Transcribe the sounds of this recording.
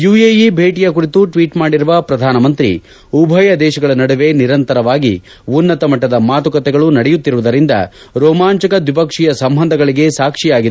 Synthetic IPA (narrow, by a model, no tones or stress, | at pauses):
jujejibʱeːʈijɐkuɾit̪uʈʋiːʈmaːɽiɾuʋɐpɾɐd̪ʱaːnɐmɐnt̪ɾḭ | ubʱɐjɐd̪ɛːʃɐɡɐɭɐnɐɽuʋe̞niɾɐnt̪ɐɾɐʋaːɡḭ | unːɐt̪ɐmɐʈːɐd̪ɐmaːt̪ukɐt̪ɛɡɐɭunɐɽɛjut̪ːiɾuʋud̪ɐɾind̪ɐ̰ | ɾɔːmaːɲt͡ʃɐkɐd̪ʋip̬ɐkʂijɐsɐmbʱɐnd̪ʱɐɡɐɭiɡe̞saːkʂijaːɡid̪e